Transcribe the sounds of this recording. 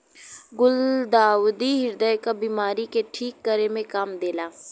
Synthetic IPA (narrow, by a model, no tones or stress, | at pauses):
ɡʊld̪aːwd̪iɦɪɾd̪əekabiːmaːɾikeʈʰiːkːəɾemẽkaːmd̪eːlaː